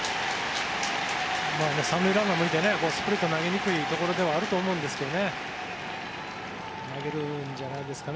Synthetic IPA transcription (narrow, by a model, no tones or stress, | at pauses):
maːnesãnːɯiɾãŋɡamɯit̪e̞ne̞ko̞ːsɨ̥pɯ̟ɾʲit̪ːo̞naɡe̞ɲ̟ikɯ̟it̪o̞ko̞ɾo̞d̪e̞βaːɾɯ̟t̪o̞ːmo̞ɯ̃nd̪e̞sɨ̥ke̞d̪o̞ne̞ | naɡe̞ɾɯ̟ɲd͡ʑanaid̪e̞sɨ̥kan